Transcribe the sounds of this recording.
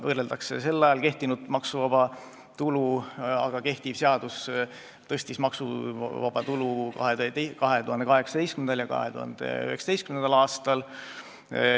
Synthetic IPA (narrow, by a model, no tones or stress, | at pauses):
vɤːreld̪ɑksḛse̞lːɑjɑlke̞ht̪inud̪̥mɑksuvɑb̥ɑ | t̪uluɑ̰ɡ̥ɑke̞ht̪iv̥seɑd̪̥us | t̪ɤ̞st̪ismɑksuvɑ̰b̥ɑt̪ulukɑ̰ɦeekɑɦe̞t̪uɦɑneɑɦe̞ksɑ̥t̪ejstkymend̪ɑljɑkɑ̰het̪ṵhɑ̰nd̪̥ḛy̰heksɑ̥d̪̥ejstkymnend̪ɑlɑːst̪ɑl